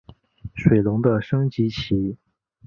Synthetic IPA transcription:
ʂwe˨˩ɪlʊ˧˥ŋd̪ə˧ʂɤ˥ŋt͡ɕi˧˥t͡ɕʰi˧˥

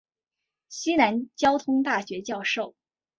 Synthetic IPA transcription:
ɕi˥na˧˥nt͡ɕjɑ˥ʊt̪ʰʊ˥ŋt̪a˥˩ɕɥɛ˧˥t͡ɕjɑ˥˧ʊʂo˥˩ʊ

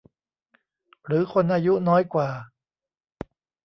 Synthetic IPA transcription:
ɾɯː˩˦kʰo˧nʔaː˧ju˦˥nɔː˦˥jkwaː˨˩

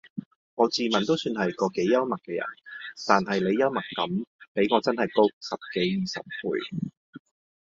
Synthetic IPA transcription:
ŋɔː˨˧t͡siː˨mɐ˨nt̪o˥wsyː˧nɦɐ˨jkɔː˧ke˨˥jːɐ˥wmɐ˨k̚ːɛː˧jɐ̰˨˩nt̪aː˨nɦɐ˨jle˨˧jɐ˥wmɐ˨kːɐ˨˥mpe˨˥jŋɔː˨˧t͡sɐ˥nhɐ˨˩jko˥k̚sɐ˨p̚ke˨˥jːiː˨sɐ̰˨p̚pʰṵː˨˧j

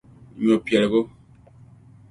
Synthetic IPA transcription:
ɲɔ˨pɛ˨lɡo˦

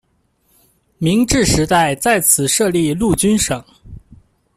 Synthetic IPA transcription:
mi˧˥ŋʈ͡ʂɻ̩˥˩ʂɻ̩˧˥t̪a˥˧ɪt͡sa˥˩ɪt͡sʰɹ̩˨˩ʂɤ˥˧li˥˧lu˥˩t͡ɕy˥nʂɤ˨˩˦ŋ

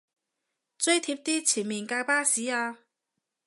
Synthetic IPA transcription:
t͡sɵ˥ɥjt̪ʰiː˧p̚t̪iː˥t͡sʰiː˨˩nmiː˨˩nkaː˧jpaː˥siː˨˥aː˧

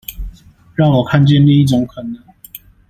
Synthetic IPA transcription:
ɻɑ˥˩ŋwɔ˨˩kʰa˥˧nt͡ɕjɛ˥˨nli˥˧i˥˩ʈ͡ʂɔ˨˩˦ŋkʰə˨˩˦nːə˨˦ŋ

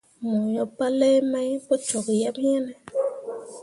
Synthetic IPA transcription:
mɔ˨ɲɔ˨pa˦lɛ˦ma˦jpɔ˦t͡ʃɔ˨kjɛ˦m˦ɲɛ˦nɛ˦

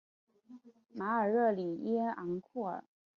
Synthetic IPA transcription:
ma˧˥ə˞˨˩ɻɤ˥˩li˨˩i˥ɑ˧˥ŋkʰɔ˥˩ə˨˩

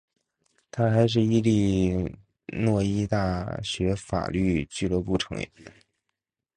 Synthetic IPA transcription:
t̪ʰa˥xa˧˥ɪʂ̬ɻ̩˥˧i˥li˥˧ | nwɔ˥˧i˥t̪a˥˩ɕɥɛ˧˥fa̰˨˩ly˥˧t͡ɕy˥˩lɤ˧˥pu˥˩ʈ͡ʂʰɤ̰˧˥ŋjɛ̰˨˩˦

